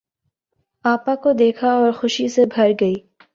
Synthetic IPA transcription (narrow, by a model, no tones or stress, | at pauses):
aːpãkod̪eːkʰaɔːɾxʊʃisebʱɐɾɡɐiː